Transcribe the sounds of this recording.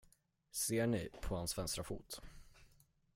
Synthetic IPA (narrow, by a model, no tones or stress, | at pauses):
seːɳɪpʰɔhansvɛnskɾafṵːt̪